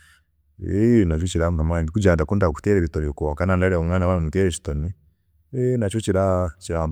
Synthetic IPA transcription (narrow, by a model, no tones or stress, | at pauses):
enat͡ʃɔt͡ʃiɾamukamaɡikud͡ʒandakundaku̥tɛɾɛβitɔɾikɔkanandaɾɛɔŋanaβananutɛɾɛʃi̥tɔni | ɛnat͡ʃɔt͡ʃiɾat͡ʃiɾa